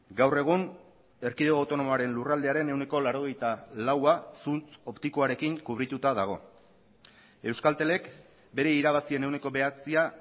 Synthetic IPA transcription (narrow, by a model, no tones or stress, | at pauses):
ɡawre̞ɣ̞un | e̞ɾkiðoawt̪o̞no̞moaɾe̞nlurald̪e̞aɾe̞ne̞wne̞ko̞laɾo̞ɣ̞e̞jt̪alawasunt͡so̞pt̪ikoaɾe̞kiŋkuβ̞ɾit̪ut̪að̞aɣ̞o̞̰ | e̞wskalt̪e̞le̞k | be̞ɾe̞iɾaβ̞asie̞ne̞wne̞ko̞βe̞at͡sia